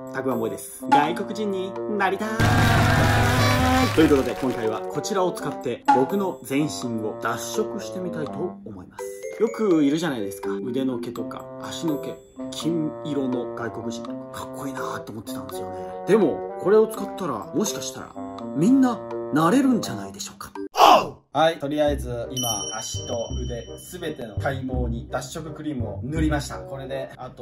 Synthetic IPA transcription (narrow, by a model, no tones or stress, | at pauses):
t̪akɯamo̞id̪e̞sɨ̥ɡaiko̞kɯ̟ʑĩɲ̟ːinaɾʲit̪a | t̪oiɯ̟kot̪o̞d̪e̞kõŋkaiβakʰo̞t͡ɕiɾao̞t͡sɨ̥kat̪ːe̞bo̞kɯ̟no̞d͡zẽ̞ɰ̃ɕĩɰo̞d̪aɕːo̞kɯ̟ɕi̥t̪e̞mʲit̪ait̪o̞ːmo̞imasɨ̥jo̞kɯ̟iɾɯ̟ʑanaid̪e̞sɨ̥kaɯ̟d̪e̞no̞ke̞t̪o̞ka̰ːɕino̞ke̞ | kʲʰĩŋiɾo̞no̞ɡaiko̞kɯ̟ʑĩnt̪o̞kḁkʰḁkːo̞iːnat̪ːoːmo̞t̪ːe̞t̪ãnd̪e̞sɨjo̞̰ne̞d̪̥e̞mo̞ko̞ɾe̞o̞t͡sɨ̥kat̪ːaɾa̰mo̞ɕi̥kaɕi̥t̪a̰ɾa̰mʲĩnːanaɾe̞ɾɯ̟̃ɲ̟d͡ʑanaid̪e̞ɕo̞ːkḁ | hait̪o̞ɾʲiaed͡zɨimaaɕi̥t̪o̞ɯd̪e̞sɨbe̞t̪e̞no̞k̪aimoːɲ̟id̪̥aɕːo̞kɯ̟kɯ̟ɾʲiːmɯo̰nɯɾʲimaɕi̥t̪ako̞ɾe̞d̪e̞at̪o